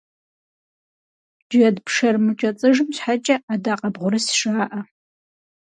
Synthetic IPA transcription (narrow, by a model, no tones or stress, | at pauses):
d͡ʒɐdpʰʂɐrmɨt͡ʃʼɐt͡sʼɨʒɨmɕħat͡ʃʼɐadaːqʼɐbʁʷʊɾɨsʂaːʔɐ